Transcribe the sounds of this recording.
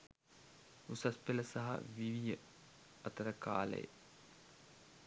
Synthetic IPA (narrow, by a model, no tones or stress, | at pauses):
usɐspeləsaɦɐ̰ʋiʋijə | ɐt̪əɾəkaːlə̰jə̰